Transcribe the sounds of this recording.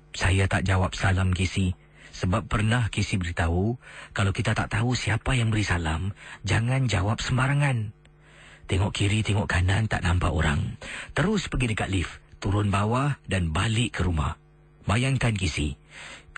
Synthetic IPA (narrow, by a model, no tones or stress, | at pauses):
sajat̪aʔd͡ʒawap̚salamkisi | səbapːərnahkisibəɾit̪aukalawkit̪at̪aʔt̪ausiapajaŋbəɾisalamd͡ʒaŋand͡ʒawap̚səmbaɾaŋan | t̪ɛŋɔʔkiɾit̪ɛŋɔʔkanant̪a̰ʔnampa̰o̰ɾa̰ŋt̪əɾʊspəɡidəkat̪̚lift̪uɾʊnbawahdanbalɪʔkəɾuma̰h | bajaŋkankisḭ